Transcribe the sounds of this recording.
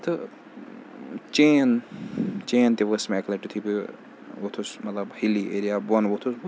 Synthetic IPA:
t̪ʰɨ | t͡ʃeːn | t͡ʃeːnt̪iʋəsmɛːklɐʈut̪ʰipi | ʋot̪ʰosmɐt̪lɐbhiliʔeːɾijaːbunʋot̪ʰos

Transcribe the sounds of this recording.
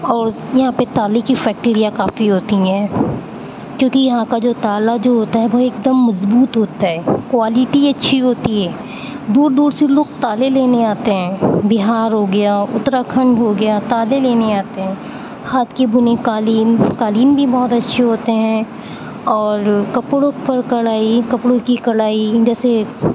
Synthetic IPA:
ɔːɾ | jɐɦãpet̪aːlekifɛːk̚ʈeːɾijakaːfiɦoːt̪iɦɛ̃ː | kjõːkijɐɦãkad͡ʒoːt̪aːlad͡ʒoːɦoːt̪aɦɛʋoeːk̚d̪əmːɐzbuːt̪ɦoːt̪aɦɛːkwaːlɪʈiɐtːʃʰiɦoːt̪iɦɛː | d̪uːɾd̪uːɾseloːɡ̚t̪aːleleːneaːt̪eɦɛ̃ːbɪɦaːɾɦoɡɐjaʊ̰t̪ɾakʰɐ̃ɳɖɦoɡɐjaːt̪aːleleːneaːt̪eɦɛ̃ː | haːt̪kebʊnekaːliːnkaːliːnbʱibɔːt̪ɐtːʃʰeɦoːt̪eɦɛ̃ | ɔːɾkɐpɽopɐɾkɐɽaːikɐpɽõkikɐɽaːid͡ʒɛːse

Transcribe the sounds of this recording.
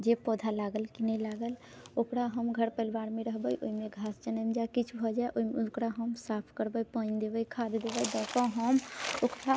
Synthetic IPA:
d͡ʒepɔːd̪ʱalaːɡəlkinəĩlaːɡəl | oːkɾaɦəmɡʱəɾpəlbaːɾmẽɾəɦbəjʔo̰imẽɡʱaːst͡ʃənəmd͡ʒaekit͡ʃʰbʱod͡ʒaːeʔoimʊkɾaɦəmsaːpʰkəɾbəipəɲd̪eːbəikʰaːd̪d̪eːʋəid̪ɔkaɦəmokɾa

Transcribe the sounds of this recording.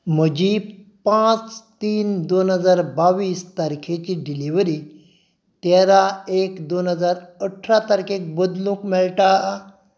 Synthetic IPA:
m̤əd͡ʑipãt͡st̪iːnd̪onɦəd͡zaɾbaʋiːst̪aɾkʰet͡ɕiɖiliʋɾi | t̪aɾaekd̪onɦəd͡zaɾəʈʰɾat̪aɾkʰek̚bəd̪lũkmɛɭlʈa

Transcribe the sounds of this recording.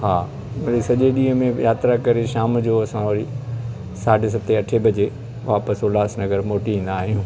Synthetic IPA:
ɦaː | mɐɗisɐʄeɗĩːɦə̃mẽjaːt̪ɾakɐɾeʃaːmd͡ʑoːɐsãɐɾi | saːʈs̬ɐt̪eɐʈʰebʱɐd͡ʑe | ʋaːpəsoːlaːsnɐɡəɾmoːʈiĩːn̆d̪aːɦijũː

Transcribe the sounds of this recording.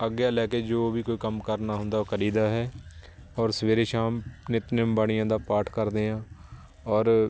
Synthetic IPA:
əɡːjaːlɛːkeːd͡ʒoːʋiːkoːiːkəmkəɾnaːɦʊ̃nd̪aːoːkʰəɾiːd̪aːɦɛː | ɔːɾsəʋeːɾeːʃaːmnɪt̪nɪmbaːɽ̃ɪjãːd̪aːpaːɾʈʰkəɾd̪eːãː | ɔːɾ

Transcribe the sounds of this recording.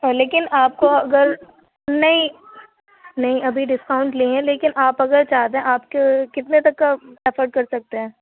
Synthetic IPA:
leːkɪnaːp̚koɐɡəɾ | nɐɦĩ | nɐɦĩɐbʱiɖɪskaʊ̃ɳʈliːɦɛ̃leːkɪnʔaːpɐɡəɾt͡ʃaːɦt̪eɦɛ̃ʔaːp̚kekɪt̪net̪ɐkːaɛfəɾɖ̚kɐɾsɐk̚t̪eɦɛ̃ː

